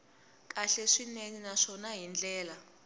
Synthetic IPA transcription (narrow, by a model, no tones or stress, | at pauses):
k̬ʼaɬeʂineninaʂɔnaɦind͡ɮɛːla